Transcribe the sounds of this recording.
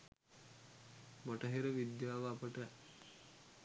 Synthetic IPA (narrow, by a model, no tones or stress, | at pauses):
moʈəɦeɾəʋid̪jaːʋəːpəʈə